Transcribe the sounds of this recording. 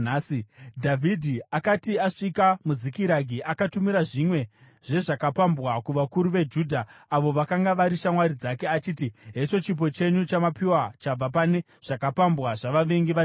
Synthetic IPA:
sidʱavʱidʱiakatiaʂikamuzikiɾaɡʱiʔakatumiɾaʐimwe̞ | ʐ̥e̞ʐakapambwakuʋakuɾuʋe̞d͡ʒuːdʱaːʋo̞ʋakaŋɡaʋaɾiʃamwaɾid͡zake̞at͡ʃiːtiɦe̞t͡ʃo̞t͡ʃip̬o̞t͡ʃe̞ɲut͡ʃamapiwat͡ʃab͡vap̬ane̞ | ʐ̥akapambwaʐaʋaʋe̞ŋɡiʋa

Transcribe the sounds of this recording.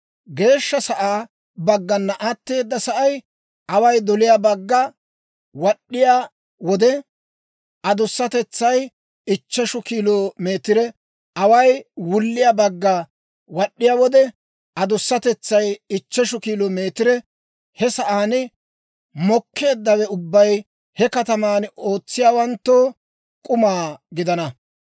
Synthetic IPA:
ɡe̞ːʃːɐsɐʔaː | bɐɡːɐnːɐʔɐt̪ːe̞ːd̪ːɐsɐʔɐj | ʔɐwɐjd̪ɔlɪjabɐɡːa | wɐɗːɪjaː | wɔd̪ɛ | ʔɐd̪ʊsːɐt̪ɛt͡sːɐj | ɪt͡ʃːɛʃʊkiːlome̞ːt̪ɪɾɛ | ʔɐwɐjwʊlːɪjabɐɡːa | wɐɗːɪjawɔd̪ɛ | ʔɐd̪ʊsːɐt̪ɛt͡sːɐjɪt͡ʃːɛʃ̬ʊkiːlɔme̞ːt̪ɪɾɛ | hɛsɐʔaːnɪ | mɔkːe̞ːd̪ːɐwɛʊbːɐj | hɛkɐt̪ɐmaːno̞ːt͡sːɪjaːwɐnt̪ːoː | kʼʊmaːɡɪd̪ɐnɐ

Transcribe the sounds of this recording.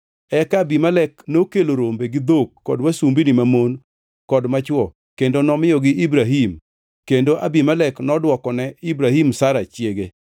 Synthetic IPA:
ɛkabimalɛknokeloɾombeɡɪd̪okːɔ̰dwasumbinɪmamon | kɔdmat͡ʃwɔ | kendonɔmɪjɔɡɪʔibɾaɦim | kendoʔabimalɛknɔdwɔkɔnɛibɾahimsaɾat͡ʃjeɡe

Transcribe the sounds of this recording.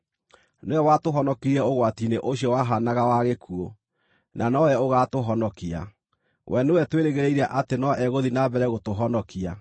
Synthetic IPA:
noɛwatoɦɔnɔkiɾiɛoɣwatiːneʔoɕiɔwaɦanaɣawaɣekʰuo | nʔanɔwɛoɣaːtoɦɔnɔkia̰ | wʔɛnewɛtweɾeɣeɾeiɾɛaʔatenɔʔɛɣoðinabɛɾɛɣotoɦɔnɔkia

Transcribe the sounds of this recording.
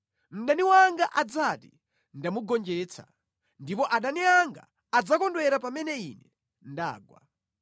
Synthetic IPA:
m̩ɗaniwaŋɡaʔad͡zati | ndamuɡɔnd͡ʒɛːt͡sʰa | ndipɔʔaɗaniaŋɡa̰ː | d͡zakɔndwɛɾapamɛnɛḭnɛ | nda̰ːɡwa̰

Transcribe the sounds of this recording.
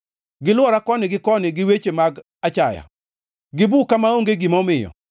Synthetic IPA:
ɡɪlwɔɾakɔnɪɡɪkɔnɪɡɪwet͡ʃemaɡ | at͡ʃaja̰ | ɡɪbukamaoŋɡeɡimɔmɪjɔ̰

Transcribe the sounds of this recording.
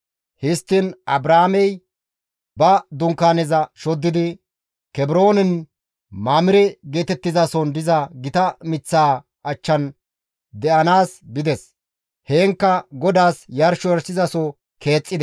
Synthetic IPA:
hɪst̪ːɪnʔɐ̰bɾaːmɛj | bɐd̪ʊŋkːaːnɛzɐʃɔd̪ːɪd̪ɪ | kɛbɾo̞ːnɪn | maːmɪɾɛɡeːt̪ɛt̪ːɪzɐsɔnd̪ɪzɐɡɪt̪ɐmɪt͡sːaː | ʔɐt͡ʃːɐn | d̪ɛʔɐnaːsbɪd̪ɛs | he̞ːŋkːɐɡɔd̪aːsjɐɾʃɔɛɾsɪzɐsɔ | ke̞ːt͡sʼːɪd̪ɛ

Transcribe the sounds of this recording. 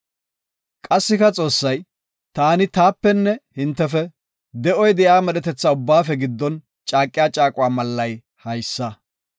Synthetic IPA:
kʼɐsːɪkɐt͡sʼo̞ːsːɐj | t̪aːnɪt̪aːpːɛnːɛhɪnt̪ːɛfɛ | d̪ɛʔɔjd̪ɛjaːmɛɗɛt̪ɛt͡sːaʊbːaːfɛɡɪd̪ːɔn | t͡ʃʼaːkʼːɪjaːt͡ʃʼaːkʼʊwaːmɐlːɐj | hɐjsːɐ

